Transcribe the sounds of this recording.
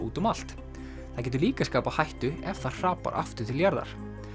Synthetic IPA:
ṵːt̪ʏmal̥t̪ | θaðcɛːt̪̬ʏɾliːkaskaːpahajht̪ʏɛvθḁr̥aːpa̰ɾʔa̰ft̪ʏ̥t̪ʰɪljaɾða̰ɾ̥

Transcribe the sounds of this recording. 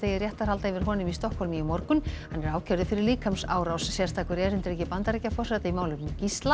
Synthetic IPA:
ejɪrjɛht̪aɾ̥halt̪aɪvɪɾ̥ɦɔːnʏmist̪ɔhkʰɔlmimɔɾkʏmhhanːɛɾaːwcʰɛɾðʏfɪɾɪɾliːkʰamsaːwɾawssjɛst̪ʰaːkʏɾɛɾɪnt̪ɪɾɛhcɪpant̪aɾicafɔrsɛt̪aimaːwlʏcist̪la

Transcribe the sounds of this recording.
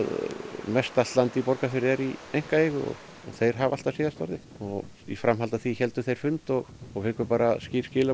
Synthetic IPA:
ðmɛst̪alt̪lant̪ipɔɾkafɪɾɪɛɾiejŋ̥kaejɣʏɔ̰ɣ | ɔθejɾ̥ɦaval̥t̪asɪːðast̪ɔ̰ɾðɪ | ɔɣ | ḭfɾamɦalt̪aθiçɛlt̪ʏθejɾ̥fʏnt̪ɔɣɔɣvɪkvʏpaːɾasciːɾ̥scɪːla

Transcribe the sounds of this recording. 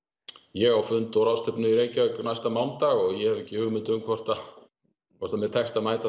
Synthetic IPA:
jɛɣawfʏnt̪ɔɾawst̪ʰɛpnʏiɾejɲcaɛkʏnajst̪amawnt̪aɣɔɣjɛhɛvɛcːɪhʏɣmɪnt̪ʏmkʰvɔr̥t̪a | kʰɔr̥t̪amɛðt̪ʰɛxst̪aðmaːjt̪a

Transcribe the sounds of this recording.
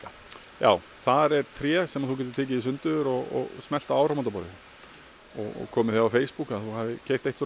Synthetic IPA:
ja̰ːw | θaɾɛɾ̥t̪ʰɾɛːsɛmaðθucɛːt̪ʏɾ̥t̪eːc̬ɪisʏnt̪ʏðʏɾɔɣɔ̰ɣsmɛl̥t̪aawɾawmant̪apɔɾɪ̰ | ɔ̰ɣɔ̰kʰɔːmɪθjaawfeːjspukaðθuhaːvðɪcʰeːj̥t̪ejht̪sɔ

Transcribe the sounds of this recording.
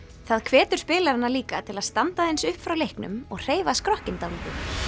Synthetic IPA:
θaðkʰvɛːt̪ʏɾ̥spɪːlaɾanaliːkat̪ʰɪlaðst̪ant̪aejnsʏhpfɾawlejhknʏ̰mɔɣr̥eːjvaskɾɔhcɪnt̪aluːtʏ

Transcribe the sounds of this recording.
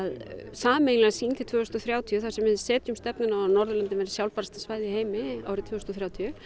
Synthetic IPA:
ðsaːmejlɛɣsiːnt̪ʰɪ̥lt̪ʰvœːɣhʏst̪ɔθɾjaːwt̪ʰiʏθḁsɛmvɪðsɛːt̪jʏmst̪ɛpnʏnanɔɾðʏlɛnt̪ɪnvɛɾɪ̥sjawlpaɾst̪ḁsvaːjðɪheːjmɪa̰wɾɪt̪ʰvʏːhst̪ɔθɾjaːwt̪ʰiʏ

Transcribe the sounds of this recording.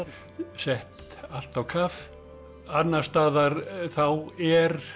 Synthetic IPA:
sɛht̪ | al̥t̪awkʰaf | at̪nːast̪aːðaɾθawɛɾ

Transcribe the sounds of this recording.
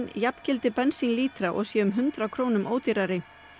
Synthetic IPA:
njapcɪlt̪ɪpɛnsiŋliːt̪ɾaʔɔ̰ɣsjɛʏmɦʏnt̪ɾakʰɾoːwnʏmʔoːwt̪iɾaɾɪ

